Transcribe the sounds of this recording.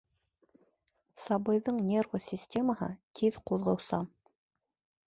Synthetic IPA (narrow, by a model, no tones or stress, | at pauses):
sɑbɤ̆jðɤɴnʲervosʲisʲtʲeməɦɤ̰t̪ʰiðquðʁɤ̆wsɑm